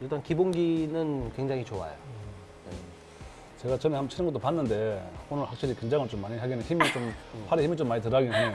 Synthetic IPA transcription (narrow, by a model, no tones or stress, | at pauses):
iɭt͈ankibonɡinɯnkwe̞ŋd͡ʑaŋit͡ɕowa̰jo̰ | ne | t͡ɕe̞ɡat͡ɕʌnehamt͡ɕʰiɾɯmɡʌt͈opanːɯnde̞onɯɭɸak̚ɕ͈iɾikweŋd͡ʑaŋɯɭt͡ɕomːaɲiɦaɡinɯnçimit͡ɕomɸaɾeçimit͡ɕomːaɲit̬ɯɾaɡie